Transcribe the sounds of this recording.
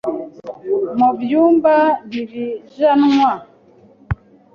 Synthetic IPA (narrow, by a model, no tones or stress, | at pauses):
mɔvjumbaniviʒanwa